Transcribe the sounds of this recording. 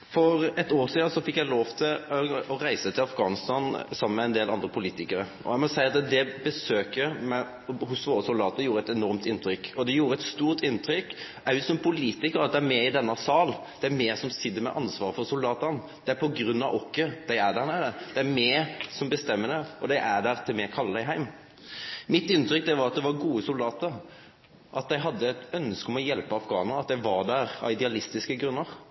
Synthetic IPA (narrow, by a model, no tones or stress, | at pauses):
fɔɾɛt̪oːsiːsɔfɪkːjæɪloːʋt̪ʰɪlɔɔɾæɪsət̪ʰɪlɑfɡɑːnɪst̪ɑːnsɑmːənmɛɛnd̪eːlʔɑnd̪ɾəpʰʊliːt̪ɪkəɾəʔɔ̰æɪmɔsæɪɑt̪d̪ɛbəsøːkəmɛ | hʊsʋoːɾəsʊld̪ɑːt̪əjuːɾəɛt̪ɛnɔɾmt̪ɪnt̪ʰɾʏkːɔd̪ɛjuːɾəɛt̪st̪uːɾt̪ɪnt̪ʰɾʏkː | æʉsɔmpʰʊliːt̪ɪkəɾɑt̪̚d̪ɛæɾmɛɪd̪ɛnːəsɑːl | d̪̥ɛæɾmeːɾsɔmsɪd̪ːəmɛ̰ʔɑ̰nsʋɑ̰ːʁəfɔʁsʊld̪ɑːt̪ən | d̪̥ɛæɾpʰɔɡɾʉnːɑʔɔkːəd̪̥æɪæd̪æʁnæd̪ɛd̪̥ɛæmɛːsɔmbəst̪ɛmːəd̪ɛɔd̪æɪʔæd̪æʁt̪ʰɪlmɛkʰɑld̪æɪɦæɪm | mɪt̪ːɪnt̪ɾʏk̚d̪ɛʋɑɾɑt̪̚d̪ɛʋɑɾɡuːəsʊld̪ɑːt̪əɾ | ʔɑt̪̚d̪æɪɦɑd̪ːət̪œnskɔmɔjɛlpəɑfɡɑ̰ːnəɑt̪̚d̪æɪʋɑɾd̪æːɾɑ̰ɪd̪ɛɑlɪst̪ɪskəɡɾʉnːəʁ